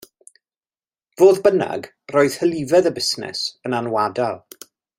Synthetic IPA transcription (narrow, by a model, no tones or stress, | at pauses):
v̥oːðbəna̰ɡ | roːɨð̥həlˠɪvɛðəbɪsnɛ̰sənanwadalˠ